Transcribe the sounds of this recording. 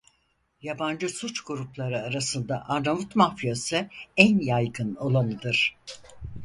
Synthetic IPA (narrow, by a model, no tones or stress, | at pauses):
jaband͡ʒɯsut͡ʃɡuɾuplˠaɾɯaɾasɯnd̪aʔaɾnavut̪mafijasɯænjajɡɯno̞lˠamɯd̪ɯɾ̥